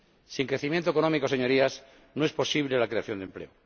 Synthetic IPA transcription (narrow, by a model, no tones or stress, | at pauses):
siŋkɾeθimjẽnt̪oekonomikoseɲo̞ɾias | noe̞spo̞siβlelakɾe̞aθjo̞nd̪e̞mple̞̰o